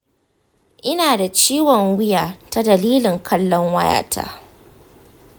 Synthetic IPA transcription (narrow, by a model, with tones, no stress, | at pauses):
ʔɪ˦naː˨da˨t͡ʃiː˦wɔ˨ŋwɪ˦jaː˨ta˦dɐ˨liː˦lɪ˨ŋkʰɐ˦lːɔ˦ŋwɐ˦ja̰ː˨tʰa̰ː˦